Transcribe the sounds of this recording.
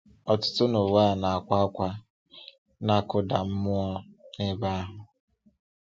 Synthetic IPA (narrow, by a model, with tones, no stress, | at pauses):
ɔ˨tʊ̥˦tʊ˦no˨wa˦˨na˨a˨kʷa˦kʷa˦ | na˦kʊ˦da˨m̩˦mʊ˦ɔ˦ne˦ba˦a˦ɦʊ˨